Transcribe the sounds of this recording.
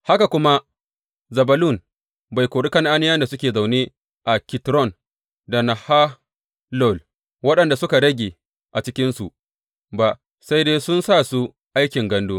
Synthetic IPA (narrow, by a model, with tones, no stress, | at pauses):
ha˦ka˨kʷʊ˦ma˦ | zɐ˨bɐ˨lʊ˦˨n | ba˨jkʷoː˨ɽɪ˦kɐ˦nʔa˦nɪ˦jɐ˦nda˨sʊ˦kʲeː˨za˨wne˦ | ʔa˨kʲɪ˨tɾɔ˦˨n | da˨na˨ha˦ | lɔ˦˨l | wɐ˦ɗɐ˨nda˨sʊ˦ka˨ɽɐ˦ɡʲeː˨ | ʔa˨t͡ʃɪ˦kʲɪ˦nsu˨ | ba˨ʔ | sa˦jdeː˦sʊ˦nsaː˦˨su˦ | ʔa˦jkʲɪ˨ŋɡɐ˦nduː˦